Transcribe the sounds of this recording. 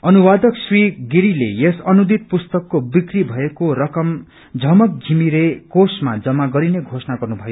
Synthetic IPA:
ʌnuwad̪ʌksriɡiɾilḛjesʌnud̪it̪̚pust̪ʌkːobikribʱʌekoɾʌkʌm | d͡zʱʌmʌk̚ɡʱimiɾekosmad͡zʌmːaɡʌɾineɡʱosʌnaɡʌrnubʱʌjo

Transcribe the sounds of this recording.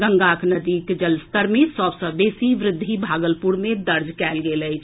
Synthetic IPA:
ɡəŋɡaːkʰnəd̪iːkd͡ʒəlst̪əɾmesəbsə̃beːsiʋɾɪd̪ʱːibʱaːɡəlpuɾmẽd̪əɾd͡ʒkɛːlɡeləɪt͡ʃʰ

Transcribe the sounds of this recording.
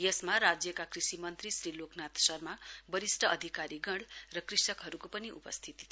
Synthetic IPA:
jesmaɾad͡zjʌkakrisimʌnt̪risɾiloknat̪sʌrmabʌɾisʈʰʌʌd̪ʱikaɾiɡʌɳɽrʌkrisʌkɦʌɾukopʌniʔṵpʌst̪ʰit̪i̥t̪ʰ

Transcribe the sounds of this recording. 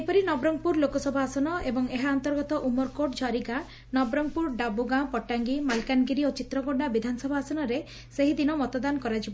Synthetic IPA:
epɔɾinɔbɾɔŋpuɾlokɔsɔbʱaːsɔnɔebɔŋeɦaɔnt̪ɔɾɡɔt̪ɔʔumɔɾkoʈd͡ʒʰʱɔɾiɡa | nɔbɾɔŋpuɾɖabuɡãpɔʈːaŋɡimalkanɡiɾiot͡ʃit̪ɾɔɡoabid̪ʱanɔsɔbʱaːsɔnɔɾe | seɦid̪inɔmɔt̪ɔd̪ankɔɾad͡ʒʰibɔ

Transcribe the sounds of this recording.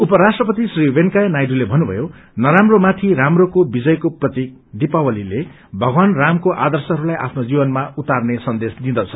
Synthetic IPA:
upʌɾasʈrʌpʌt̪isriweŋkajnajɖulebʱʌnːubʱʌ̰jo | nʌɾamromat̪ʰiɾamrokobid͡zʌjkoprʌt̪ik̚d̪ipawʌlile | bʱʌɡwanramkoʔa̰d̪ʌrsʌɦʌɾulajʔa̰pʰnod͡zibʌnmaut̪arnesʌnd̪esd̪ĩd̪ʌt͡sʰʌ

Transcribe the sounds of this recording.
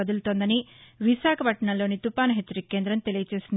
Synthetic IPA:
ɐd̪ult̪oːnd̪ɐniʋiʃaːkʰɐpɐʈɐɳɐlo̞ːnit̪upaːnɐɦet͡ʃːɐɾikːeːnd̪ɾɐmt̪e̞lijɐt͡ʃe̞ːsin

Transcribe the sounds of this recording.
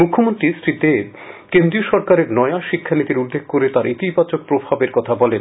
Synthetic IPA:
mukʰːomont̪ɾisɾid̪e | kend̪ɾioʃɔɾkaɾeɾnɔeaʃikʰːanit̪iɾud̪ːeɡ̚koɾet̪aɾʔit̪ibat͡ɕok̚pɾobʱabeɾkɔt̪ʰabɔlen

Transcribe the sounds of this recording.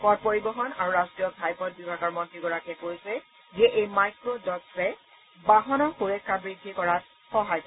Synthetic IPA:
pɔt̚poɹibɔɦɔna̰ɹuɹastɹijɔbʱajpɔt̚bibʱaɡɔɹmɔntɹiɡɔɹakɛkpojsɛ | zɛʔejmajkɹodɔtsɛ | baɦɔnɔxuɹɛkʰːabɹidʱːikɔɹat̚ | xɔɦajp

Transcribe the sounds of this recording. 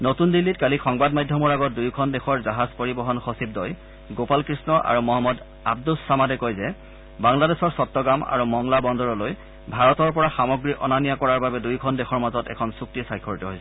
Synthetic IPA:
notundilːitkalixɔŋbadmajdʱɔmɔɹaɡɔt̚dujkʰɔndɛxʰɔɹzaɦazpoɹibɔɦɔnxɔsib̚dɔj | ɡopalkɹisnɔʔa̰ɹumɔɦamːɔd | a̰bdulsamadɛkojzɛ | baŋladɛsɔɹsɔtːɔɡama̰ɹumɔŋlabɔndɔɹɔloj | bʱaɹɔtɔɹpɔɹaxamɔɡɹiʔɔ̰nanijakɔɹaɹbabɛdujkʰɔndɛxʰɔɹmazɔtɛ̰kʰɔnsuk̚tisajkʰːɔɹitɔɦojsɛ

